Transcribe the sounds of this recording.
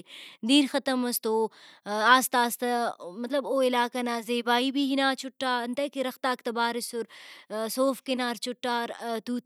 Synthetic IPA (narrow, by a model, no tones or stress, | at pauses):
d̪iːɾxɐt̪ɐmɐst̪oːaːst̪aːst̪ɐmɐt̪lɐboːɪlaːkɐnaːzeːbaːibiɦinaːt͡ʃʰʊʈːaːɐnt̪ɐkiɾɐxt̪aːkt̪ɐbaːɾɪsʊɾsoːfkinaːɾt͡ʃʰʊʈːaːɾt̪uːt̪